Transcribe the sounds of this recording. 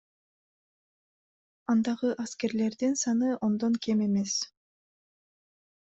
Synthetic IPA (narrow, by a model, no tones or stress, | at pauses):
ɑnd̪ɑʁɯʔaske̞ɾle̞ɾd̪insɑnɯʔo̞nd̪oŋkeme̞me̞s